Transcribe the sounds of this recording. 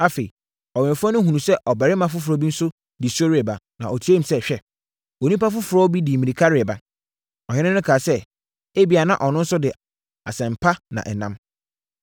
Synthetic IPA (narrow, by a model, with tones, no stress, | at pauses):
a˦fe˨i˨ | ɔ˨ɥɛ̃˨fʊ˦ɔ˦nʊ̃˦ɦũ˨nũ˨sɛ˦ʔɔ˨bɛ˨ɾɪ˦mã˨˦fʊ˦fʊ˨ɾɔ˦bi˦n̩˦sʊ˦ | di˨sɔ˦ɾɪ˦ɛ˨ba˨ | nã˨ʔɔ˨tʰe˦m˨˦sɛ˦ɕᶣɛ˦ | o˨nũ˦pa˦fʊ˦fʊ˨ɾɔ˦bi˦di˨mĩ˨ĩ˨kʰa˦ɾɪ˨ɛ˨ba˨ | ɔ˨hɪ̃˦nɪ̃˦nʊ̃˦kʰaː˨sɛ˦ | e˦bi˨a˨nã˦ʔɔ˨nʊ̃˦n̩˦sʊ˦dɪ˨ | a̰˨sɛ̃˨m̩˨pʰa˦nã̰˨ʔɛ˨nã̰˦m